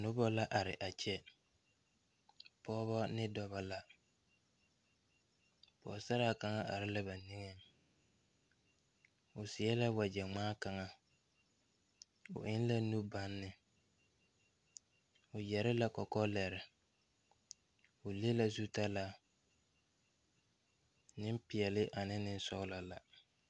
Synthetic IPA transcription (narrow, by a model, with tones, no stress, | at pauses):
nʊ˦bɔ˦la˦ʔa˨ɾɪ˨ʔa˨t͡ʃɛ˦ | pɔː˦βɔ˦nɪ˦dɔ˦βa˦la˦ | pɔ̰˨sa˦ɾa˦˨ka˨ŋa˦ʔa̰˨ɾɪ˦la˦ba˨ni˦ŋɛ˦ŋ | ʊ˨sɪ˨ɛ˦la˦wa˨d͡ʒɛ˨ŋ͡maː˦ka˨ŋa˨ | ʊ̰˨ʔɪ˦n˦la˦nu˦ba˦nːɪ˨ | ʊ˨jɛ˨ɾɪ˦la˦kɔ˨kɔ˦lɛ˨ɾɪ˨ | ʊ˨le˦la˦˨zu˦ta˦la˨ | nɪ˦mpɪ˨ɛ˨lɪ˦ʔa˨nɪ˦nɪ˦n˦sɔ˦la˨la˨